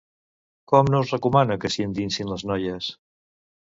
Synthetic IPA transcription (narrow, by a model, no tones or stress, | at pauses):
kɔmnouzrəkumanəkəsjent̪insinləznɔjəs